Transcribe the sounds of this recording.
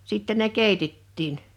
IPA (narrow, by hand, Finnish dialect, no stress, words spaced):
sitːe ne keˑitetːiːn